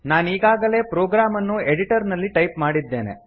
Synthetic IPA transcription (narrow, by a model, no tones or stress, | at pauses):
naːniːɡaːɡɐle̞ːpɾoːɡɾaːmɐnːueɽiʈɐɾnɐlːiʈɐjpmaːɽid̪ːe̞ːnḛ